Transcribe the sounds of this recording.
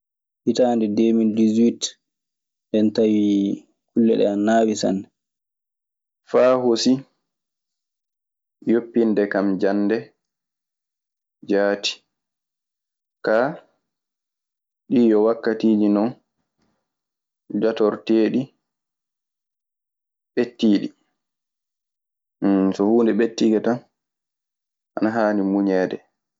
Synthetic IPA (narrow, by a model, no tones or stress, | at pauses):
hitaːndɛdemildizwit | ndɛntawi | kulːɛ̰ɗɛ̰naːwisa̰nɛ | faːhosi | jopːindɛkamd͡ʒanːdɛ | d͡ʒaːti̥ | ka | ɗiːjɔwakːatiːd͡ʒinɔn | d͡ʒatɔɾteːɗi | ɓetːiːɗi | sɔhuːndɛɓetːiɡɛtan | ʔanaɦaːnimuɲɛːdɛ